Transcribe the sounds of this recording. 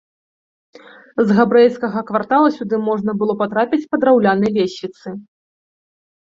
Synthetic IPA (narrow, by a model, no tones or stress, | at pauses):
zɣabɾɛjskɐɣɐkvart̪alˠɐsʲud̪ɨmɔʐnɐbɨlˠɔpat̪ɾapʲit͡sʲpɐd̪ɾawlʲanɐjlʲesʲit̪sɨ